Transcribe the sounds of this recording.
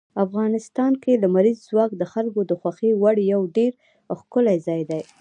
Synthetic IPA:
afɣɑnɪst̪ɑnkeləmaɾizːwɑk̚d̪əxalkod̪əxwaxewaɽjawɖeɾ | xkʊlajzɑjd̪aj

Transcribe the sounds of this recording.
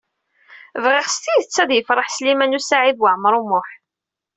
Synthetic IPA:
vʁiʁst̪ijθət͡sːæðjəfɾˤəħslimænusaʕiðwaʕməɾˤumʊħ

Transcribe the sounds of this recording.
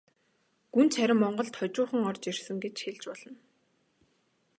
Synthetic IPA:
ɡ̥unt͡sʰæɾʲɪ̆mːɔɴɢɞ̆ɮt̪χɔt͡ɕʊːχə̆ŋɔrt͡ɕirsə̆ŋɡet͡ɕxeɮt͡ɕpɔɮ̥ɞ̆n

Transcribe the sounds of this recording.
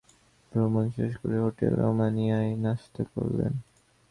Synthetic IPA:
bɾomonʃeʃkoɾeɦoʈelɾomanijaenaʃt̪okoɾlḛn

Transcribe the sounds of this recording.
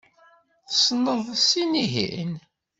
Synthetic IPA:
θsnːəðˤsiniɦḭn

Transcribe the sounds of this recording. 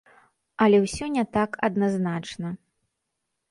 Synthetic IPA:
ɐlʲɛwsʲɔnʲɛt̪akɐ̰d̪naznat͡ʂnɐ

